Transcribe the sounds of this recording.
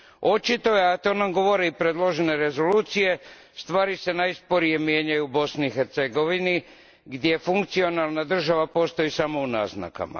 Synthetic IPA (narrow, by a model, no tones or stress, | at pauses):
o̞t͡ʃit̪o̞jeat̪o̞ːnamɡo̞ʋo̞ɾiipɾed̪lˠo̞ʒene̞ɾe̞zo̞luːt̪sije̞ | st̪ʋaːɾise̞najspo̞ɾije̞mje̞ːɲajuːbo̞sniixeɾt̪seɡo̞ʋini | ɡd̪jefuŋkt̪sio̞nalˠnad̪r̩ʒaʋapo̞ːst̪o̞isamo̞una̰ːzna̰ka̰ma̰